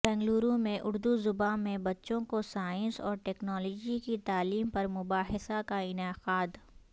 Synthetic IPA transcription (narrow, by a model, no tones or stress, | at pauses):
bɛ̃ːŋɡluːɾõmẽʔʊɾd̪uzʊbaːẽbɐtːʃõkosaːɪ̃nsɔ̰ːɾʈɛːknɔːlɔːd͡ʒikit̪aːliːmpɐɾmʊbaːɦɪsakaɪnaːqaːd̪